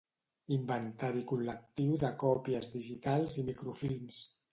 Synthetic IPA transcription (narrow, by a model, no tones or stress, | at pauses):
imbənt̪aɾikulːək̚t̪iwðəkɔpiəzðiʒit̪alˠzimikɾufilˠms